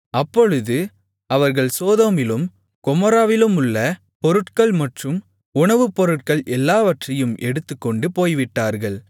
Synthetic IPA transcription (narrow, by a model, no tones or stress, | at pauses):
ɐpːɔɻɯðɯ | ɐʋɐɾɣɐɭsoːðɐmɪlɯm | kɔmɔɾaːʋɪlɯmʊɭːɐ | pɔɾɯʈkɐɭmɐʈrɯm | ʊɳɐʋɯpɔɾɯʈ̚kɐɭʔɛlːaːʋɐʈrɐjɯmʔɛɽɯt̪ːɯkːɔɳɖɯpoːjʋɪʈːaːɾɣɐɭ